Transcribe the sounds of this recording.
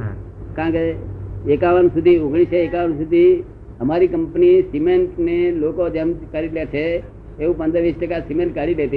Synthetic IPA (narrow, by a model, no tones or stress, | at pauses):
kãkeekaʋənsud̪ʱioɡɽ̃iseekaʋənsud̪ʱi | əmaɾikəmpnisimeɳʈnelokod͡ʒemkəɾiɖjat͡ʃʰeː | ʋũpənd̪əʋisʈəkasimẽɳʈ̚kəɽilet̪i